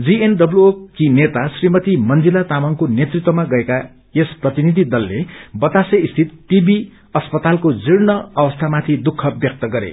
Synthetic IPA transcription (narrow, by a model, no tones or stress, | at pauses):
d͡zienɖʌbluokinet̪asrimʌt̪imʌnd͡zilat̪amʌŋkonet̪rit̪wʌmaɡʌeka | esprʌt̪inid̪ʱid̪ʌlːebʌt̪aseist̪ʰit̪̚ʈibi | ʌspʌt̪alkod͡ziɽnʌʌwʌst̪ʰamat̪ʰid̪ukʰːʌbjʌk̚t̪ʌɡʌɾḛ